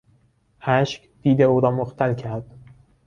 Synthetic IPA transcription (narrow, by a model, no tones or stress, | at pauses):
ʔæʃcd̪̥iːd̪euːɾɒːmoxt̪ʰælcʰæɾd̪̥